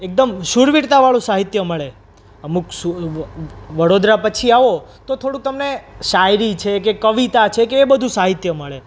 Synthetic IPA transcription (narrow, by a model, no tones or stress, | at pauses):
ek̚d̪əmʃuɾʋiɽt̪aʋaɭũsaɦit̪jəməɭe | əmuksu | ʋəɽod̪ɾapət͡ʃʰiaʋot̪ot̪ʰoɽũkt̪əmneʃajɾit͡ʃʰek̬ekəʋit̪at͡ʃʰekeːbəd̪ʱũsaɦit̪jəməɭe